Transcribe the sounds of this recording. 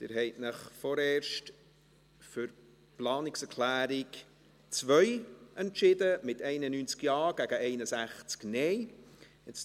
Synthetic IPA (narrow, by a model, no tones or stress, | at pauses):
t̪ɪɾɦɛɪtnəχfɔɾɛːɾʃt | fʏɾ | plɑːnɪksɛɾkʰlæːɾik | t͡sʋœjʔɛntʃɪdəmɪtɛɪnənyːnt͡skjɑːɡ̥æɡəɛɪnəsæχt͡sknɛj | ɛt͡s